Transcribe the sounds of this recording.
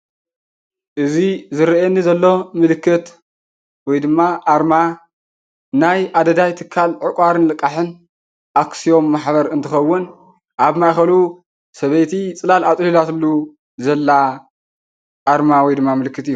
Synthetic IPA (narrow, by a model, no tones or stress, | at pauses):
ʔɨzizɨɾʔenːizɐlːo̞mɨlɨkːɨt̪ | wɔjd̪ɨmːaʔaɾma | najʔad̪ɐd̪ajt̪ʰɨkʰːalʕɨkʷʼaɾɨnlɨkʼːaħɨn | ʔaksijo̞mːaħβɐɾɨnt̪ʰɨxɐwːʊn | ʔaβmajxɐlu | sɐβejt̪ʰit͡sʼɨlalat͡s̪ʼlilat̪ɨlːu | zɐlːa | ʔaɾmawɔjd̪ɨmːamɨlɨkʰːɨt̪ɨjːu